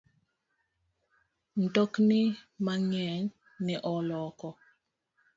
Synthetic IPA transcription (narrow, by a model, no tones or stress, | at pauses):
ntoknimaŋɛŋ | niʔɔlɔkɔ